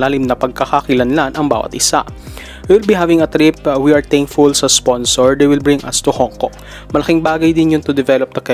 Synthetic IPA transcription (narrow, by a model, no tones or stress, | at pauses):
laːlɪmnɐpɐɡ̚kɐkakɪlɐnlanʔɐŋba̰ːwɐ̰t̪ʔɪsa̰ʔ | wɪwɪlbiɦavɪŋɐt̪ɾɪp̚wiɐɹt̪eŋfulsɐsponsɔɹd̪ejwɪlbɹɪŋʔɐ̰st̪ʊhoŋkoʔ | mɐlɐkɪŋbaːɡɐjd̪ɪnjʊnt̪ʊd̪ɛvɛlop̚d̪ɐkɛ